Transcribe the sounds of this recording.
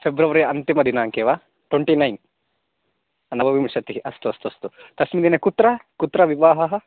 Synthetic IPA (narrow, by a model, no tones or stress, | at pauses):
pʰebɾɐʋɐɾiɐnt̪imɐd̪inaːŋkeːʋaː | ʈweɳʈinɐjn | ɐnɐʋɐʋimiʂɐt̪iɦiʔɐst̪uɐst̪uɐst̪ut̪ɐsmid̪inekut̪ɾɐkut̪ɾɐʋiʋaːɦɐɦɐ